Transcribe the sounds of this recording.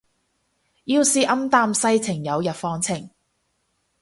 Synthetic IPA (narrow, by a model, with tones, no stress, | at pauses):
jiː˧wsiː˨˧ʔɐ˥mt̪aː˧msɐ˥jt͡sʰɪ˨˩ŋjɐ˨˧wjɐ˨pfɔː˧ŋt͡sʰɪ˨˩ŋ